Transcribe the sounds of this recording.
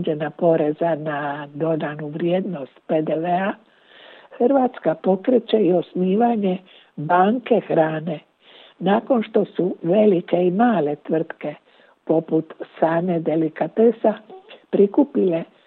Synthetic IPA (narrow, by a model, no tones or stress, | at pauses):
d͡ʒenapo̞ɾe̞zanad̪o̞d̪anuʋɾjeːd̪no̞st̪pe̞d̪eʋea | xr̩ʋat̪skapo̞kɾet͡ɕe̞io̞sniːʋaɲe̞ | baːŋke̞xɾaːne̞ | naːko̞nʃt̪o̞suʋe̞like̞imaːle̞t̪ʋr̩t̪ke̞ | po̞put̪saːne̞d̪e̞likat̪esapɾikupile̞